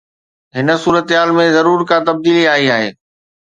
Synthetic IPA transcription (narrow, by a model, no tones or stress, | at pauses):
ɦɪnə̆suːɾət̪ɦaːlmẽzɐɾuːɾkãt̪ɐb̚d̪iːliaːiaːɦḛː